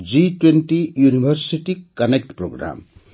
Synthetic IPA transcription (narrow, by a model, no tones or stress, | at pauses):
d͡ʒiʈwenʈijunibʱəɾsiʈikːɐnek̚ʈpɾoɡɾa̰m